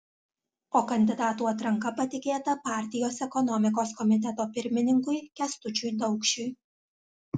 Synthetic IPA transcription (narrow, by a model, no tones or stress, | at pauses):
oːkɐnʲd̪ʲɪd̪ɑːt̪uːɐt̪ɾɐŋkɐpɐt̪ʲɪkʲeːt̪ɐpɑːˑɾʲt̪ʲɪjoːsɛkɔnɔmʲɪk̬oːskɔmʲɪt̪ʲɛt̪oːpʲɪɾʲmʲɪnʲɪŋkʊɪkʲɛst̪ʊt͡ʃʲʊjd̪ɒʊkʃʲʊj